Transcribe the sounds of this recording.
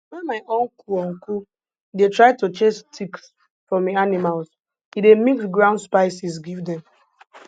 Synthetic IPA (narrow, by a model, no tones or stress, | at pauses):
wɛ̃nmaɪʔõnkʰuɔnku | detɹaɪtut͡ʃestʰiks | fɹɔ̃mianimals | idemiksɡɹãʊ̃ndspaɪsisɡivdɛ̃m